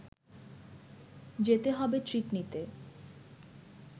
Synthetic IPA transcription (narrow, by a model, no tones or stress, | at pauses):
d͡ʑet̪eɦɔbetɾiʈnit̪e